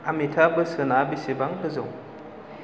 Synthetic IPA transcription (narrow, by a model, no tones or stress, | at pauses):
amitʰabɯsɯnabisebaŋkʰɯzɔŋ